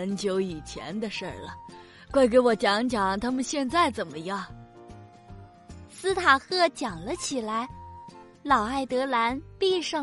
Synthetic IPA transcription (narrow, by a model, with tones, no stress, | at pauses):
ə˧˥nt͡ɕjo˧˥ʊi˨˩t͡ɕʰjɛ̰˧˥nd̪ə˧ʂə̰˞˥˩lə˩ | kwa˥˩ɪk̬e˧˥ɪwɔ˨˩t͡ɕjɑ˧˥ŋt͡ɕjɑ˨˧˥ŋt̪ʰa˥mə˨nɕjɛ˥˧nt͡sa˥˩ɪt͡sə˨˩nmə˦jɑ˥˩ŋ | sɹ̩˥t̪ʰa˨˩xɤ˥˩t͡ɕjɑ˨˩ŋlə˦t͡ɕʰi˨˩la˧˥ɪ | lɑ˨˩ʊa˥˩ɪt̪ɤ˧˥la˧˥npi˥˧ʂɑ˥˩